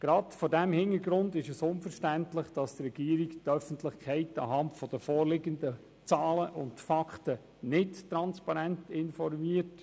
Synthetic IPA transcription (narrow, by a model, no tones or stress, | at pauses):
ɡ̥ɾɑdfɔdɛmhɪnəɡɾʊndɪʃɛsʊnfəɾʃtæntlɪχd̥ɑst̪rɛɡ̥iːɾiktœfən̩tlɪχkʰɛɪtɑ̰ɦɑntfɔd̥əfɔːɾlɪɡəndə | t͡sɑːləʔʊntfɑkχtə | nɪttɾɑnspɑɾæntɪnfɔɾmiət